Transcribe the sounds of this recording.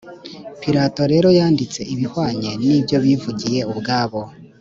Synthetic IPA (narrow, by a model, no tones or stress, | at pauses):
piɾato̞ɾe̞ːɾo̞jaːndit͡se̞ʔiβihwaːɲe̞nibjo̞βivuɟije̞ubɡaːβo̞